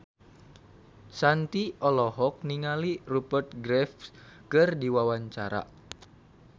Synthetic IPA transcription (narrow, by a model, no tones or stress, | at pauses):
sant̪iʔɔlɔɦɔk̚niŋalirupərt̪̚ɡɾɛfkɨrdiwawaɲt͡ʃaɾa̰